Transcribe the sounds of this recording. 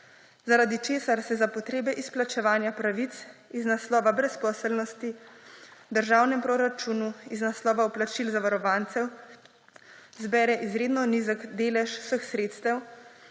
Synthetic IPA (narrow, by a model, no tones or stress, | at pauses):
zaɾaːd̪it͡ʃeːsaɾsɛzapɔt̪ɾeːbɛʔisplat͡ʃɛʋaːnjapɾaʋit̪siznaslɔːʋabɾɛspɔːsəlnɔst̪i | d̪əɾʒaːwnɛmpɾɔɾat͡ʃuːnuiznaslɔːʋauplat͡ʃilzaʋaɾɔʋaːnt̪sɛw | zbɛːɾɛʔizɾeːd̪nɔnizəɡd̪eːlɛʃw̥səxsɾeːt̪st̪ɛw